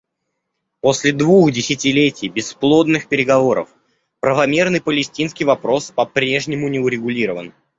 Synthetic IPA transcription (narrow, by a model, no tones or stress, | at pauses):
po̞sʲlʲɪd̪vuxdʲɪsʲɪtʲɪlʲetʲɪjbʲɪsːplˠo̞d̪nɨxpʲɪɾʲɪɡɐvo̞ɾə̰f | pɾəvɐmʲe̞rnɨjpəlʲɪsʲtʲinskʲɪjvɐpɾo̞spɐpɾʲe̞ʐnʲɪmʊnʲɪʊɾʲɪɡʊlʲiɾəvən